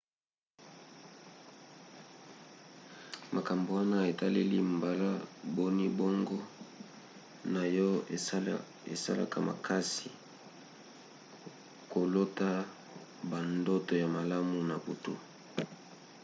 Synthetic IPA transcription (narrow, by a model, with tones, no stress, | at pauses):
ma˨ka˨mbo˨wa˦na˦e˨ta˦le˦li˦mba˦la˦bo˦ni˦bɔ˦ŋɡɔ˦ | na˨jɔ˦ | ḛ˨sa̰˦la̰˦ka̰˨mʔa̰˨kʰa˦si˨ | ko˨lo˦ta˦ | ba˨ndo˦to˨ja˨ma˨la˦mu˨na˨bu˨tu˦